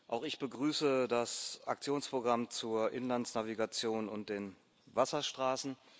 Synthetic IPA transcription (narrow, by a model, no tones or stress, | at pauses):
ʔaʊxɪçb̥əɡʁyːsədasʔak̚t͡sjoːnspʁ̥oɡʁamt͡suːɐʔɪnlansnaviɡat͡sjoːnʊnt̚d̥eːn | vasɐʃtʁ̥aːsn̩